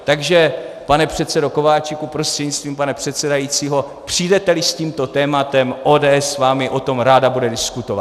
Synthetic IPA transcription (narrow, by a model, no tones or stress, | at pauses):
t̪aɡʒɛ | panɛpr̝̥ɛt̪t͡sɛdo̞ko̞vaːt͡ʃɪkupɾo̞st̪r̥ɛdɲit͡st̪viːmpanɛpr̥ɛt̪sɛdajit͡siːɦo̞ | pr̝̥ijdɛt̪ɛlɪsciːmt̪o̞t̪ɛːmat̪ɛmʔo̞ːdɛːɛsːvaːmɪʔo̞t̪o̞mɾaːdabudɛdɪskut̪ova̰